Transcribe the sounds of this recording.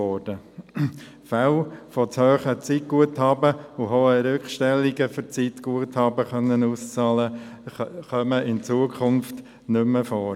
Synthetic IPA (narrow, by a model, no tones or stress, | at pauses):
ɔːd̥ə | falfɔt͡shøːχət͡sit̚ɡ̥uəthɑːbəʊɦoːəɾʏkχʃtɛlːiɡəfʏɾt͡sit̪ɡ̥uəthɑːbəχœnːənuːst͡sɑːlə | χœməʔɪnt͡suːəkʰχʊnft | nʏmːəfɔːɾ